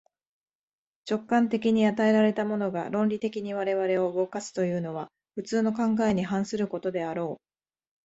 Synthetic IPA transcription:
t͡ɕo̞kːãnt̪e̞kʲiɲ̟iat̪ae̞ɾaɾe̞t̪amo̞no̞ɡa̰ɾõ̞nɾʲit̪e̞kʲiɲ̟iβaɾe̞βaɾe̞o̞ɯ̟ɡo̞kasɨ̥t̪o̞jɯ̟ːno̞β̞a | ɸɯ̟t͡sɨːno̞kãŋɡae̞ɲ̟iɦãɰ̃sɨɾɯ̟ko̞t̪o̞d̪e̞aɾo̞ː

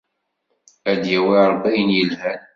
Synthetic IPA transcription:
æd̪jæwiɾˤbːijənjəlhæn

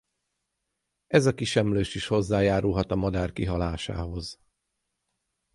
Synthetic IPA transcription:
ɛzɒkiʃɛmløːʃiʃho̞zːaːjaːɾulɦɒt̪ɒmɒd̪aːrkiɦɒlaːʃa̰ːɦo̞z

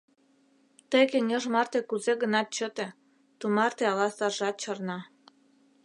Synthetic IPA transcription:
t̪əjkeŋeʒmɑrt̪ekuzeɣənɑt̪̚t͡ɕət̪ĕ | t̪umɑrt̪eɑlɑsɑrʒɑt̪̚t͡ɕɑrnɑ

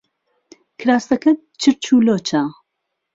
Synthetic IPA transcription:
kʰɾaːst̪ɐkɐ | t͡ʃʰɨɾt͡ʃʰuːloːt͡ʃʰa

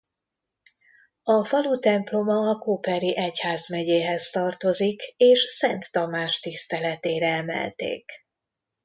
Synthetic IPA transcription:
ɒfɒlut̪ɛmplo̞mɒːkoːpɛɾiʔɛchaːzmɛɟeːɦɛst̪ɒrt̪o̞zikeːʃsɛnt̪ːɒmaːʃt̪ist̪ɛlɛt̪eːɾɛɛmɛ̰lt̪ḛːk

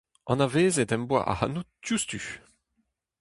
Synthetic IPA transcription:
ʔɑ̃naveːzedɛ̃mbwa̰ʔa̰ha̰nutd͡ʒust̪y

